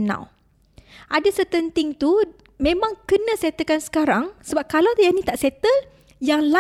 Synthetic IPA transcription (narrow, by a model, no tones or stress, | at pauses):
na̰w | ʔadasət̪ənt̪ɪŋt̪u | mẽmãŋkənə̃set̪əkansə̥kaɾaŋsəbap̚kalawt̪janĩt̪aʔset̪ə | jaŋla